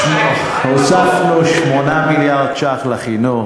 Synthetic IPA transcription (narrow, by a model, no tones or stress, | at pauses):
hosafloʃmonamiljaʁd̪̚t͡ʃaχlaχino